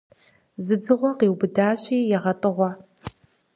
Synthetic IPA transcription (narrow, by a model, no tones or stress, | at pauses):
zɨd͡zɨʁʷɔqeːwbɨdaːɕiːjɛʁɐtʼɨʁʷɔ